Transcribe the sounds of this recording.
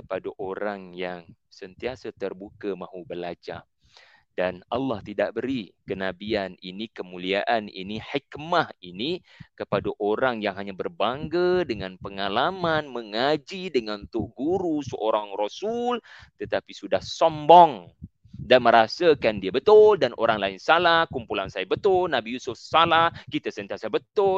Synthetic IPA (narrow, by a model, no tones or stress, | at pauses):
kəpadaʔoɾaŋjaŋsənt̪iasat̪ərbukamãɦubəlad͡ʒa | danɑlːɑht̪idaʔbəɾikənabianinikəmuliaʔanḭniħikmahini | kəpadaʔoɾaŋjaŋɦaɲabərbaŋɡadəŋanpəŋalamanməŋad͡ʒidəŋant̪ʊʔɡuɾusəʔoɾaŋrɔsul | t̪ət̪apisudahsɔmbɔŋ | danməɾasakandiabət̪ʊldanʔo̰ɾaŋlaɪnsalahkumpulansajabət̪ʊlnabijusʊfsalahkit̪asənt̪iasabət̪ʊ